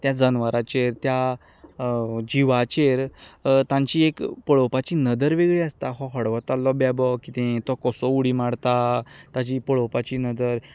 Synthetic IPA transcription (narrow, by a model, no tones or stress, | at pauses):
t̪jad͡zənʋaɾat͡ɕeɾt̪ja | d͡ʑiʋat͡ɕeɾt̪ãɲt͡ɕiekpəɭɔwpat͡ɕiːnəd̪əɾʋeɡɭiəst̪aɦɔ̃ɦəɽʋɔt̪alːɔbabɔkit̪ẽt̪ɔkɔsɔuɽimaɽt̪at̪at͡ɕipəɭɔwpat͡ɕinəd̪əɾ